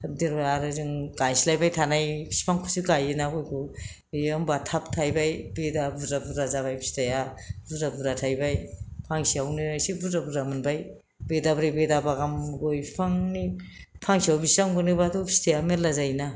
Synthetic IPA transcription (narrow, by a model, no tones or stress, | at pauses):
deɾaaɾɯziŋɡajsilajbajtʰanajpʰi̥si̥pʰaŋkʰusiɡajinaɡojkʰu | ɔmbatʰap̚tʰajbajbedabuɾabudɾazaβajbi̥stajabuabuɾatʰajbajpʰaŋsiawniajsibuɾabuɾamɯnbaj | bedabɾajbedabaɡamɡojpʰaŋni | pʰaŋsiawbisaŋbonibatʰobʰi̥stʰajameɾlazajna